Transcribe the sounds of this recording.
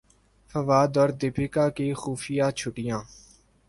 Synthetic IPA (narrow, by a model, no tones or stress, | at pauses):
fəʋaːd̪ɔːɾd̪ɪpʰɪkaːkeːxuːfɪjãːt͡ʃʰʊʈɪjãː